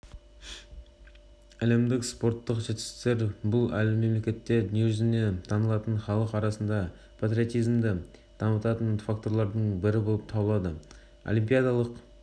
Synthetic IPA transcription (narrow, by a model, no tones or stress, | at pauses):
æle̞md̪ɪkspo̞ɾt̪ːəqʒet̪ɪst̪e̞ɾbʊlˠælɪme̞mle̞kʲe̞t̪ːe̞njuzɪne̞t̪ʰɑnəlˠɑt̪əɴχɑlˠəqɑɾɑsənd̪ɑ | pʰat̪ɾʲio̞t̪ijzmd̪ɪ | d̪̥ʰɑmət̪ɑt̪ənfakt̪o̞ɾlˠɑɾd̪əɴbɪɾɪbolˠəp̚t̪ʰɑbəlˠɑd̪ə | o̰lˠimpijad̪ɑlˠəq